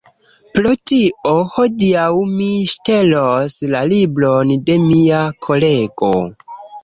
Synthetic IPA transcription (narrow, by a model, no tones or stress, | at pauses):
pɾotiʔohodiawmiʃte̞loslalibɾonde̞miakʰo̞le̞ɡo̰